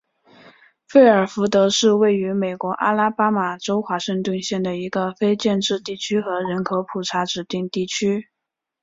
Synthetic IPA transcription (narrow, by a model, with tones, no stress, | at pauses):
fe˥˩ɪə˞˨˩fu˧˥t̪ɤ˧˥ʂɻ̩˥˧we˥˩ɪy˧˥me˨˩ɪkwɔ˧˥ʔa˥la˥pa˥ma˨˩ʈ͡ʂo˥ʊxwa˧˥ʂə˥˧ŋt̪wə˥˧nɕjɛ˥˩nd̪ə˩i˧˥ɡə˧fe˥ɪt͡ɕjɛ˥˧nʈ͡ʂɻ̩˥˧t̪i˥˩t͡ɕʰy˥xɤ˧˥ɻə˧˥nkʰo˧˥ʊpʰu˨˩ʈ͡ʂʰa˧˥ʈ͡ʂɻ̩˨˩t̪i˥˧ŋt̪i˥˩t͡ɕʰy˥